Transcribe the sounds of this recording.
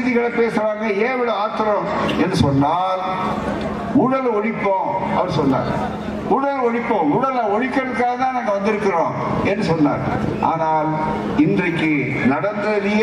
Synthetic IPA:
ðɪɣɐɭɐpeːsɯɾaːŋɡɐeːʋɪɽɐaːt̪ːɪɾɐmɛnːɯsɔnːaːl | uɽɐlɔɻɪpːõːɐʋɐɾsɔnːa̰ːɾ | uːɽɐlɔɻɪpːõːʊːɽɐlaɔɻɪkːɐɽɯk̪ːaːɣɐt̪aːnaːŋɡɐʋɐnd̪ɪɾɯkːɪrõː | ɛnːɯsɔnːa̰ːɾʔa̰ːnaːl | ɪndrɐɪkːɯ | nɐɽɐnd̪ɐlij

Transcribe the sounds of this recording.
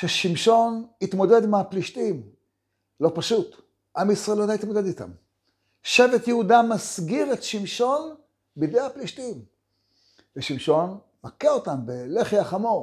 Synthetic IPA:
ʃeʃimʃo̞nitmo̞de̞d̪meapliʃtim | lo̞paʃut | ʔamisʁaelotait̪mo̞de̞d̪it̪a̰m | ʃevetjeudamasɡiʁetʃimʃo̞n | bidehapliʃtim | veʃimʃo̞n | makeotambeleχiaχamoʁ

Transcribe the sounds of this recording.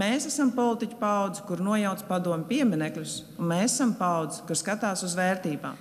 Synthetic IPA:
meːsæsampɔlˠit̪icʲu̥pawd̪zi̥kuɾnuɔjawt̪spad̪uɔmʲpiɛminɛklʲusunmeːsasampawd̪zi̥kuɾskat̪aːsuzʋɛːɾt̪iːba̰ːm

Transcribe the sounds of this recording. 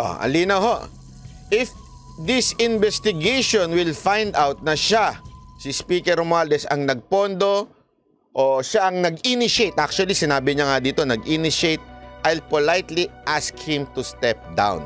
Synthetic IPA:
ʔo̰ʔɐ̰liːnɐwho̞ʔ | ʔɪf | d̪ɪsɪnbɛst̪ɪɡejʃõnwɪlfajnd̪awt̪̚nɐʃasɪspiːkɛɾmʊald̪ɛsɐ̰ŋnɐɡ̚po̞nd̪o̞ | ʔoʃaʔɐŋnɐɡinɪʃejt̪ʔak̚t͡ʃuɐlisɪnaːbɪɲaŋad̪iːt̪o̞nɐɡʔinɪʃejt̪̚ʔajlpolajt̪liʔaskhɪ̃mt̪ust̪ɛp̚d̪ã̰wn

